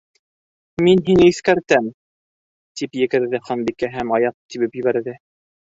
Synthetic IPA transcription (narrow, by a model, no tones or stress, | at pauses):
minɦinɘiθkæɾt̪æm | t̪ipjɘ̆kɘ̆ɾðɘχɑnbikæɦæmɑjɑp̚t̪iβɘpjɘ̆βæɾðɘ